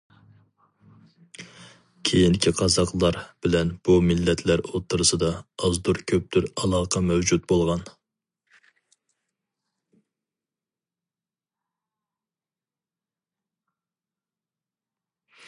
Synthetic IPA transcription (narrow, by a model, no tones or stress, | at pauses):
kʲʰejiŋkʲʰiqʰɑzɑqlˠɑɾb̥ɪlɛnb̥umɪlːɛt̪ʰlæɾot̪ʰːɨɾɨsɨd̪ɑɑzd̪uɾkʲʰøp̚t̪ʰyɾɑlˠɑːqʰɑmɛwd͡ʒut̪̚bolˠʁɑn